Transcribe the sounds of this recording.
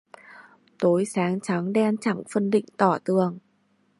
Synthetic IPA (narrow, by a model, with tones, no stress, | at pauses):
t̪o˨˦jsaː˨˦ŋt͡ɕa˨˦ŋɗɛ˧nt͡ɕa˧˩ŋfə˧nɗḭ˧˨ŋ̟t̪ɔ˧˩t̪ɨ˨˩əŋ